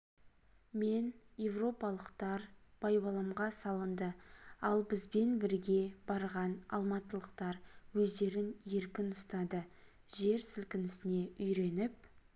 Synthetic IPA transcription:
me̞nje̞vro̞pɑlˠəqt̪ɑɾb̥ɑjbɑlˠɑmʁɑsɑlˠənd̪əɑlˠbɪzbe̞nbɪɾɡʲe̞bɑɾʁɑnɑ̰lˠmɑt̪əlˠəqt̪ɑɾwɵzd̪e̞ɾɪnje̞ɾkʲɪnʊst̪ɑd̪ə | ʒe̞ɾsɪlkʲɪnɪsɪne̞ʔʏjɾe̞nɪp̚

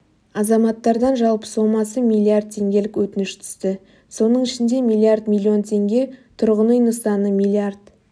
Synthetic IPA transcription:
ɑzɑmɑt̪ːɑɾd̪ɑnʒɑlˠpə̥so̞mɑsəmʲijlʲˠiard̪̚t̪ʰːe̞ŋɡʲe̞lɪkwɵt̪ɪnɪʃt̪ʰʏ̥zt̪ɪ | so̞nəɴɪʃɪnd̪e̞milʲˠiard̪mʲilʲːio̞nt̪ʲʰe̞ŋɡʲe̞t̪ʰʊɾʁənəjnəst̪ɑnəmʲilʲiard̪

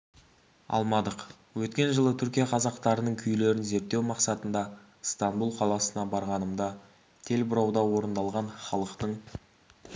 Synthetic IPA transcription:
ɑ̰lˠmɑd̪əq | wɵt̪kʲe̞nʒəlˠət̪ʰʏɾkʲijɑqʰɑzɑqt̪ɑɾənəɴkʲʰʏjle̞ɾɪnze̞ɾt̪ːe̞wmɑqsɑt̪ənd̪ɑ | st̪anbulˠqʰɑlˠɑsənɑbɑɾʁɑnəmd̪ɑ | t̪ʰe̞lbʊɾɑwd̪ɑwo̞ɾənd̪ɑlˠʁɑɴχɑlˠəqt̪əɴ

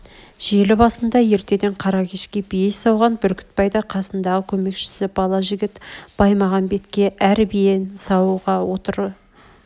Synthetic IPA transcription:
ʒ̥e̞lɪbɑsənd̪ɑje̞ɾt̪e̞d̪e̞ɴqʰɑɾɑkʲʰe̞ʃkʲe̞bijesɑwʁɑnbʏɾkʲɪ̥t̪̚pɑjd̪ɑqʰɑsənd̪ɑʁəkʲʰɵme̞kʃɪ̥sɪb̥ɑlˠɑʒɪɡʲɪt̪b̥ɑjmɑʁɑnbe̞t̪kʲe̞ʔæɾbijensɑwuʁɑwo̞t̪əɾ

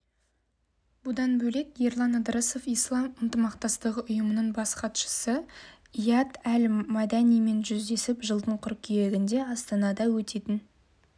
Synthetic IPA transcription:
bʊd̪ɑnbɵle̞kje̞rlˠɑnəd̪ɾəsofijslˠɑmənt̪əmɑq̚t̪ɑst̪əʁəʔʊjəmənəɴbɑsqɑt̪ʃə̥sə | ijɑt̪ælmɑd̪ɑnijme̞nʒʏzd̪e̞sɪpʒəlˠd̪əɴqʰʊɾkʲʰejeɡʲɪnd̪e̞ɑst̪ɑnɑd̪ɑwɵt̪e̞t̪ɪn

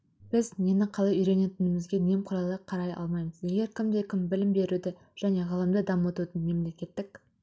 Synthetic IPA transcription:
b̥ɪzme̞nɪqʰɑlˠɑjʏjɾe̞ne̞t̪ɪnɪmɪzɡʲe̞ne̞mqʰʊɾɑlˠəqʰːɑɾɑjɑ̰lˠmɑjməze̞ɡʲe̞ɾkʲʰɪmd̪e̞kʲʰɪmbɪlɪmbe̞ɾud̪ɪ | ʒ̥æne̞ʁɑlˠəmd̪əd̪ɑmot̪ud̪ənme̞mle̞kʲe̞t̪ːɪk

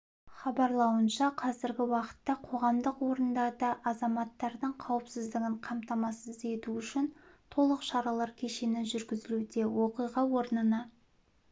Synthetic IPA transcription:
χɑbɑɾlˠɑwənʃɑqʰɑzɪɾɡʲɪwɑqə̥t̪ːɑqʰo̞ʁɑmd̪əqwo̞ɾənd̪ɑd̪ɑʔɑzɑmɑt̪ːɑɾd̪əɴqʰɑwəpsɪzd̪ɪɡʲɪɴqʰɑmt̪ɑmɑsəze̞t̪uʏʃɪnt̪ʰo̞lˠəqʃɑɾɑlˠɑɾkʲʰeʃenɪʒʏɾɡʲɪzɪlud̪e̞wo̞qijʁɑwo̞ɾənənɑ

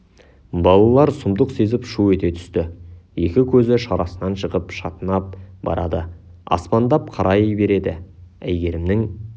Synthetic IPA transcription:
bɑlˠɑlˠɑɾsʊmd̪əqse̞zɪpʃuɵt̪e̞t̪ʰʏ̥st̪ɪje̞kʲɪkʲʰɵzɪʃɑɾɑsənɑnʃəʁəpʃɑt̪ənɑp̚bɑ̰ɾɑd̪ə | ɑ̰spɑnd̪ɑp̚qʰɑɾʔɑjbe̞ɾe̞d̪ɪ̰æjɡʲe̞ɾɪmnɪŋ

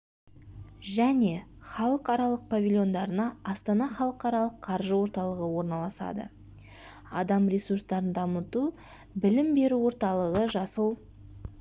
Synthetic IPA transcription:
ʒæne̞χɑlˠəqɑɾɑlˠəq̚pʰavʲilʲjo̞nd̪ɑɾənɑɑst̪ɑnɑχɑlˠəqɑɾɑlˠəqʰːɑɾʒəwo̞ɾt̪ɑlˠəʁəwo̞ɾnɑlˠɑsɑ̰d̪ə̰ | ɑ̰d̪ɑmrʲe̞surst̪ɑɾənd̪ɑmət̪u | bɪlɪmbe̞ɾuwo̞ɾt̪ɑlˠəʁəʒɑsəlˠ

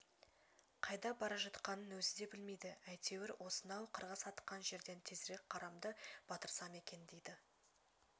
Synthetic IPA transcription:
qʰɑjd̪ɑbɑɾɑʒɑt̪qɑnənwɵzɪd̪e̞bɪlme̞jd̪ɪæjt̪ʰe̞wɪɾwʔo̞sənɑwqʰəɾʁəsɑt̪ə̥qqːɑnʒe̞ɾd̪e̞nt̪ʰezɾe̞k̚qʰɑɾɑmd̪əb̥ɑt̪əɾsɑme̞kʲe̞nd̪ejd̪ɪ

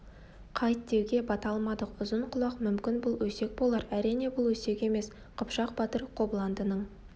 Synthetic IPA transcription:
qʰɑjt̪ːe̞wɡʲe̞bɑt̪ɑlˠmɑd̪əqʊzəɴqʰʊlˠɑqmʏmkʲɪnbʊlˠwɵse̞k̚bo̞lˠɑɾæɾijne̞bʊlˠwɵse̞kʲe̞me̞s | qʰʊpʃɑq̚bɑt̪əɾqʰo̞blˠɑnd̪ənəɴ

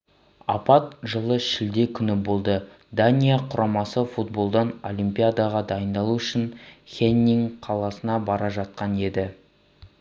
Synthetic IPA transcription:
ɑ̰pɑt̪̚ʒəlˠəʃɪld̪e̞kʲʰʏnɪbo̞lˠd̪ə | d̪anʲijaqʰʊɾɑmɑsəfut̪̚bo̞lˠd̪ɑno̞̰lʲˠimpʲijad̪ɑʁɑd̪ɑjənd̪ɑlˠuʏʃɪnχʲenʲːiŋqʰɑlˠɑsənɑbɑɾɑʒɑt̪̚qɑne̞d̪ɪ

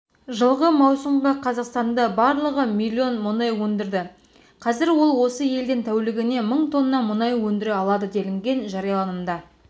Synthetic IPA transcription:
ʒəlˠʁəmɑwsəɴʁɑqʰɑzɑqst̪ɑnd̪ɑbɑɾlˠəʁəmilʲːio̞nmʊnɑjwɵnd̪ɪɾd̪ɪ | qʰɑzɪɾwo̞lˠwo̞səje̞ld̪ɪnt̪ʰæwlɪɡʲɪne̞məɴt̪ʰo̞nːɑmʊnɑjwɵnd̪ɪɾeɑlˠɑd̪əd̪e̞lɪŋɡʲe̞nʒɑɾɑjɑlˠɑnəmd̪ɑ

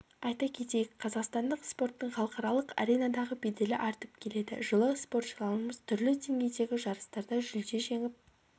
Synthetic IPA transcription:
ɑjt̪ɑkʲʰe̞t̪e̞jɪkqʰːɑzɑqst̪ɑnd̪əqspo̞ɾt̪ːəɴχɑlˠəqɑɾɑlˠəqɑ̰ɾʲe̞jnɑd̪ɑʁəbe̞d̪e̞lɪʔɑɾt̪əp̚kʲʰe̞le̞d̪ɪ̰ʒəlˠəspo̞ɾt̪ʃəlˠɑnəməz̥t̪ʰʏɾlɪd̪e̞ŋɡʲe̞jd̪e̞ɡʲɪʒɑɾəst̪ɑɾd̪ɑʒʏld̪e̞ʒe̞ŋɪp̚

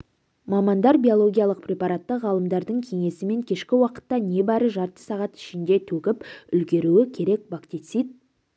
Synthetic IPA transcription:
mɑmɑnd̪ɑɾbʲijo̞lˠo̞ɡʲijɑlˠəqprʲe̞pɑɾɑt̪ːəʁɑlˠəmd̪ɑɾd̪əɴkʲʰe̞ŋe̞sɪme̞ŋkʲʰe̞ʃkʲɪwɑqə̥t̪ːɑne̞bæɾəʒɑɾt̪ə̥sɑʁɑt̪ɪ̥ʃɪnd̪e̞t̪ʰɵkʲɪpʏlɡʲe̞ɾuɪkʲʰe̞ɾe̞k̚bakt̪it̪sijt̪̚

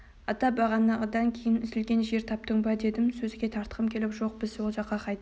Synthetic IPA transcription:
ɑt̪ɑbɑʁɑnːɑʁəd̪ɑŋkʲʰe̞jɪnʏzɪlɡʲe̞nʒe̞ɾt̪ʰɑp̚t̪əɴbɑd̪e̞d̪ɪmsɵzɪɡʲe̞t̪ʰɑɾt̪əʁəmkʲʰe̞lɪpʒo̞q̚b̥ɪzwolˠʒɑqːɑqʰɑjt̪

